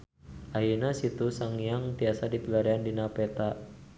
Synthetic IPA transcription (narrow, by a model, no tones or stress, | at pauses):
ʔajinasit̪usaŋjaŋt̪iasadipəɡaɾiandinapɛt̪a